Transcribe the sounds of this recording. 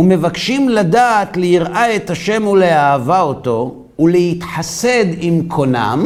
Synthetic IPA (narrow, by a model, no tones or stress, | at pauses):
ume̞vakʃimlad̪aːt̪leiʁʔae̞t̪aʃe̞muleaːvaoto̞ | ulehit̪ħase̞d̪imkʰo̞na̰m